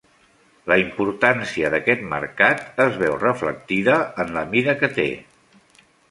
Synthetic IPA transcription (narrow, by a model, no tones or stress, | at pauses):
ləimpuɾt̪ansiəðəkɛt̪mə̰ɾkat̪əzβɛwrəflə̰k̚t̪iðəːnləmiðəkət̪ḛ